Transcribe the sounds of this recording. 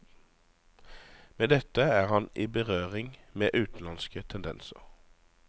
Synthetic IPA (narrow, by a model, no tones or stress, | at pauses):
meːd̪ɛt̪əæːʁhɑnʔiːbəʁøːʁɪŋmeːʔʉːt̪n̩lɑnskət̪ʰɛnd̪ɛ̰nsə̰ʁ